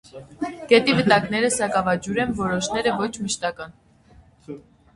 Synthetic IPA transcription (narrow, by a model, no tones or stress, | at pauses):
ɡ̥ɛt̪ivət̪ɑknɛɾəsɑkɑvɑd͡ʒuɾɛnvɔɾɔʃnɛɾəvɔt͡ʃʰməʃt̪ɑkɑn